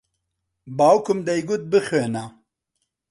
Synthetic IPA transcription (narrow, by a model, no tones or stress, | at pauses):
baːwkʰʊmd̪ɛjɡʊt̪̚bɨxeːna